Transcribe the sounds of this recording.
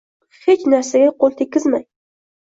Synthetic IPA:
het͡ʃnaɾsaɡʲaqʰolˠt̪ʰekʲːɪzmaj

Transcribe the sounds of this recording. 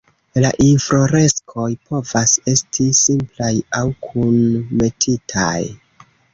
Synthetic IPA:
la̰ʔinfɾo̞ɾe̞skʰo̞jpʰo̞vase̞stʰisimplajawkʰunme̞tʰitʰa̰j

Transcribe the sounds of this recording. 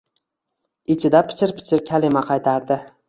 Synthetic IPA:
ɪt͡ʃʰɪd̪apʰɪ̥t͡ʃʰɪɾpʰɪ̥t͡ʃʰɪɾkʲʰalɪmaqʰɑjt̪ʰaɾd̪ɪ

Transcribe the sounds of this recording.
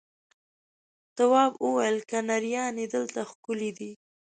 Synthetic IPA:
t̪awɑbəwajəlkanaɾijɑned̪əlt̪axkʊlid̪i

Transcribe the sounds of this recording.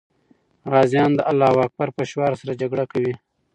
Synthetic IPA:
ɾɑːzjɑːnd̪əʔalːɑːwɑːk̚baɾpəʃwaːɾsaɾad͡ʒaɡɽakawi

